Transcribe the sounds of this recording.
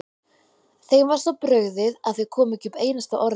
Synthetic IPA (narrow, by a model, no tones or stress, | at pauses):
θejmvaɾ̥sɔpɾœɣðɪðaðθekʰɔːmʏcʏpeːjnast̪aʔɔɾ